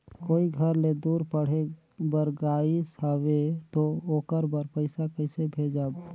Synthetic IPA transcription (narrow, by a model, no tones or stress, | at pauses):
koːiɡʱəɾled̪uːɾpəɽ̤e | bəɾɡaːisəwet̪ooːkəɾbəɾpəɪsakəɪsebʱeːd͡ʒaːb